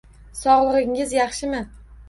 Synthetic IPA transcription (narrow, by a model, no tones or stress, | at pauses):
sɒʁlˠɨʁɪŋɪzjɑχʃɪmɪ